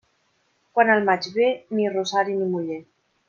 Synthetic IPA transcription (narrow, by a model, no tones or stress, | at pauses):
kwanalmat͡ʃβenirosaɾinimuʎe